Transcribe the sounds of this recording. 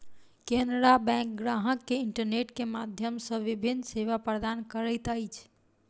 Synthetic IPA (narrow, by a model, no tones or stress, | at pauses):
kenɾabɛ̃kɡɾaɦəkːeiɳʈəɾneʈkemad̪ʱjəmsə̃ʋibʱinːseʋapɾəd̪ankəɾəjt̪əjt͡ʃʰ